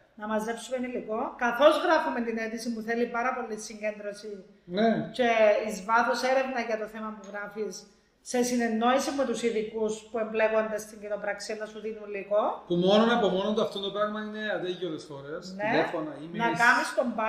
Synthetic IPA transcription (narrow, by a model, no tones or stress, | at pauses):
nɐmɐzːe̞psumeniliko̞kɐθo̞zɣɾɐfument̪inet̪isimuθe̞lipɐɾɐpo̞lisiɲɟend̪ɾo̞si | nece̞izvɐθose̞ɾe̞vnɐʝɐt̪o̞θemɐmuɣɾɐfisː | e̞sine̞nːo̞isimuet̪usiðikuspuemble̞ko̞nd̪est̪iɲɟino̞pɾɐksienːɐsuðinuliko̞pumononepomo̞nond̪oɐft̪ond̪opɾɐɣmɐine̞ɐd̪eɣioðesxo̞ɾesnielefonɐimnɐkɐmist̪o̞mbɐ